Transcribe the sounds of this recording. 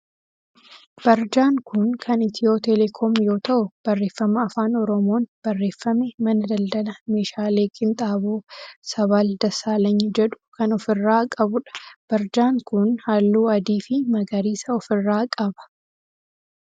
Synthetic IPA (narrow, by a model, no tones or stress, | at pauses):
b̥ɐɾd͡ʒaːŋkʊnkʰɐnɪt̪ɪo̞ːt̪ɛlɛkʰomjo̞ːt̪ɐʔʊb̥ɐrːe̞ːfːɐmɐːfaːnɔɾɔmoːnb̥ɐrːe̞ːfːɐmɛmɐnɐd̪ɐld̪ɐlɐme̞ːʃaːle̞ːkʼɪnt̪ʼaːboːsɐβaːld̪ɐsaːlɐɲːɐd͡ʒɛᶑʊ̥kɐnɔfɪrːaːkʼɐbʊᶑɐ̥b̥ɐɾd͡ʒaːŋkʊnhaːlːuːɐd̪iːfɪmɐɡɐɾiːsɐɔfɪrːaːkʼɐbɐ̥